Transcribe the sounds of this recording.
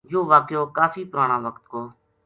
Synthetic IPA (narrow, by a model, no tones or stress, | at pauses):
joːʋaːkjoːkaːfiːpʊɾaːɽãːʋəkt̪koː